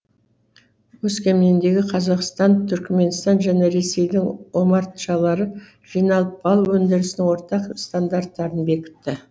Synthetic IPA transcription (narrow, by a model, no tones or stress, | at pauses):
wɵskʲe̞mnend̪e̞ɡʲɪqʰɑzɑqst̪ɑnt̪ʰʏɾkme̞nst̪ɑnʒæne̞ɾe̞se̞jd̪ɪŋo̞mɑɾt̪ʃɑlˠɑɾə | ʒ̥ijnɑlˠəp̚bɑlˠuwɵnd̪ɪɾɪsɪnɪŋwo̞ɾt̪ɑqst̪and̪art̪ːɑɾənbe̞kʲɪ̥t̪ːɪ